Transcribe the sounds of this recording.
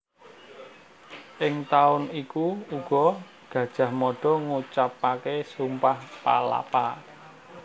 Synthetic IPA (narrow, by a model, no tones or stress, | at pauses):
ʔɪŋt̪aʊnikuuɡ̥ɔ̤ | ɡ̥ä̤d̥ʒ̥ä̤hmɔɖ̥ɔ̤ŋut͡ʃapːakesumpahpa̰la̰pa